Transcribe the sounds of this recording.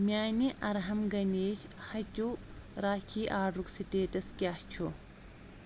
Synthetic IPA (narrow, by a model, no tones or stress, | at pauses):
mɪaːnɪʔɐɾɦɐmɡɐneːt͡ʃhɐd͡ʒuːɾaːkʰiːʔaːrʊksɪd̪eːt̪ɐsɡɪaːt͡ʃːo